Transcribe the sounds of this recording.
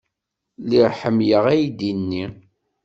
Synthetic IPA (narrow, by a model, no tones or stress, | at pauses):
liɾħəmːjəʁæjd̪inːi